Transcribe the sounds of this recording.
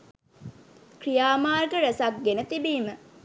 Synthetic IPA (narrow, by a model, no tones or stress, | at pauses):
krijaːmaːrɡəɾəsak̚ɡenət̪ibiːmə